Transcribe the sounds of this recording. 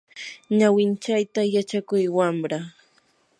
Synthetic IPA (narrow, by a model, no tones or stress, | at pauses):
ɲawɪnt͡ʃajt̪ajat͡ʃakʊjwamɾa